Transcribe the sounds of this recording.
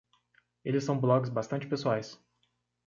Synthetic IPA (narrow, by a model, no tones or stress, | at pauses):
elɪsːɐ̃w̃blɔɡɪzbast̪ɐ̃nt͡ʃɪpesuajs